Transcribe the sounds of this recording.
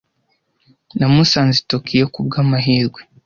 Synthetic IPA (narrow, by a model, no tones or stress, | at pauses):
namusaːnzitokijekub̚ɡamaɦiːɾɡwe